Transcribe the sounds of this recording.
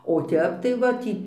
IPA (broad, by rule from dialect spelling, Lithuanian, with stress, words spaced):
oː ˈtʲɛp tɐɪ ˈʋɐ tʲiː